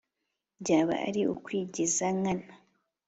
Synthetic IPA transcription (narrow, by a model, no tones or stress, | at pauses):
ɟaːβa̰a̰ɾiʔṵkwiːɟizaŋana